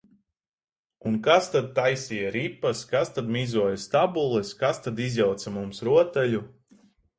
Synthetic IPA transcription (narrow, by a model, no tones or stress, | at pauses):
unkast̪ad̪̚t̪ajsijaɾipːaskast̪ad̪mʲiːzuɔjast̪abulˠɛskast̪ad̪izʲjawt̪samumsɾuɔt̪ɛʎʲu